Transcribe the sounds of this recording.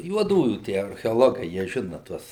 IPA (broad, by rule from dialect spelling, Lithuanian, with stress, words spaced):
juɔˈduːjuː ˈtʲiɛ ɐrʲxʲɛoːˈlˠoːɡɐɪ jiɛ ˈʒʲɪnɐ ˈtuɔs